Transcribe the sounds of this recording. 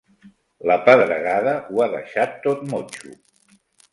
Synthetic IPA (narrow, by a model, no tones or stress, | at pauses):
ləpəðɾə̰ɣaðəuaðə̰ʃat̪ːot̪mot͡ʃṵ